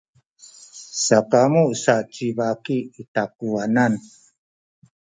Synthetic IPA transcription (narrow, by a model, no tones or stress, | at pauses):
sakamusat͡ʃibakiːtakuanan